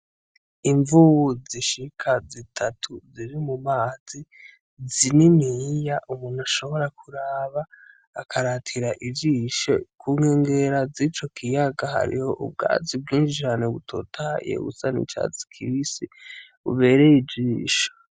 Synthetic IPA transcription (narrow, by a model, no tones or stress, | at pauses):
iɱvuβuziʃikʰazitʰatʰuziɾimumaːzi | zininijaʔumuːnhaʃo̞βo̞ɾakʰuɾaːβaː | kʰaɾatʰiɾaʔiviʃekʰuːŋeːŋɡeɾazit͡ʃo̞kʰijaɡaɦa̰ɾḭho̞ʔṵb̚ɡa̰ːzib̚ɡiːnʃid͡ʒaːneβutʰo̞̰tʰaajḛβṵsanḭt͡ʃa̰t͡si̥kʰiisiβṵβe̞ɾe̞jid͡ʒiːʃo̥